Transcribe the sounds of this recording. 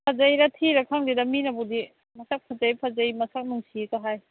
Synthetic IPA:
pʰazajɾatʰiɾakʰaŋdidaminabudi | mɐsak̚pʰazajpʰazajmɐsak̚nɯŋsikaɦaj

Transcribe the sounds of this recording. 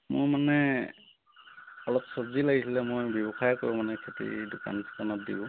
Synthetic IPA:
mʊ̰ɹmanɛ | ɔlɔpsɔzilaɡisilɛmojbjɔbɔxajkoɹumanɛkʰetḭdʊka̰nskanɔt̚dibʊ

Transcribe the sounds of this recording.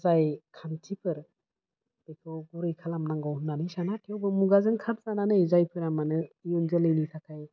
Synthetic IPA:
zajkʰantʰipʰɯɾ | d̥ekʰɯwɡuɾɯjkʰalamnaŋɡɔwɯnːanɯjsanakʰijɔwbɯmuɡazɯŋkʰaɾ̚zananɯjzajpʰɯɾamanɯijɔnzɯlɯjnitʰakʰaj

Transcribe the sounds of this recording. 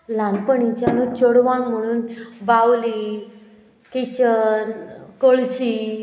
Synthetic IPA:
lãŋɡpəɳit͡ɕanut͡ɕoɽʋãŋm̤əɽ̃uːnbawli | kit͡ɕənkoɭɕi

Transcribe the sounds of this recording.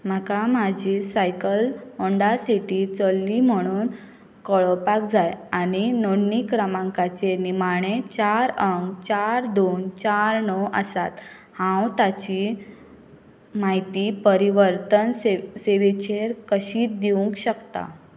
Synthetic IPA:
m̤akamad͡ʑʱiːsajkəlɔɳɖasiʈit͡solːim̤əɽ̃uːn | kɔɭɔpak̚d͡zajañinoɳnikɾəmãŋkat͡ɕenimaɽ̃et͡ɕaɾəŋɡt͡ɕaɾd̪ont͡ɕaɾnɔwəsat̪ | hãwt̪at͡ɕi | mait̪iːpəɾiʋəɾt̪əneseʋet͡ɕeɾkəɕiːt̪̚d̪iuŋkɕəkt̪a̰

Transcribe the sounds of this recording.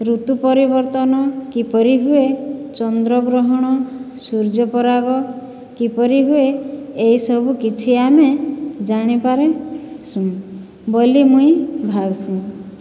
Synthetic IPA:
ɾut̪upɔɾibɔɾt̪ɔnɔkipɔɾiɦuet͡ʃɔnd̪ɾɔɡɾɔɦɔɽ̃ɔsuɾd͡ʒɔpɔɾaɡɔ | kipɔɾiɦueːisɔbʱukit͡ʃʰiamed͡ʒaɽ̃epaɾesũ | bolimũĩbʱabsĩ

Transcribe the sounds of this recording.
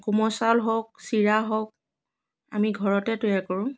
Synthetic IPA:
kumɔsalɦɔk̚siɹaɦɔk̚ | a̰miɡʱɔɹɔtɛtwaɹkɔɹʊ̃

